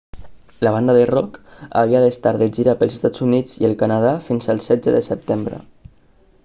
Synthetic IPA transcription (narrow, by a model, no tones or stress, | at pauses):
ləβ̞and̪əðərɔka̰βiəðəst̪aɾðəʒiɾapəlˠzəst̪ad͡zunid͡ziəlˠkanað̞afinzəlˠsɛzəðəsəp̚t̪embɾə̰